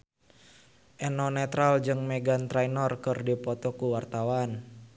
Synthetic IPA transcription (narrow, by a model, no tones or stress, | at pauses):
ʔɛnɔnɛt̪ɾald͡ʒɨŋmɛɡant̪ɾajnɔrkərdipɔt̪ɔkuwart̪awan